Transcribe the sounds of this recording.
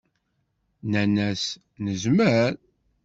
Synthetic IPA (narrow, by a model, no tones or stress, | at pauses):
nænæs | nəzməɾ